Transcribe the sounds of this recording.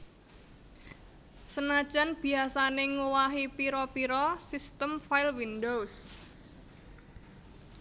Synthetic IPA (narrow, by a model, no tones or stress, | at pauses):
sənad̥ʒ̥anb̥i̤asaneŋuwaɦipiɾɔpiɾɔsist̪əmfajlwindows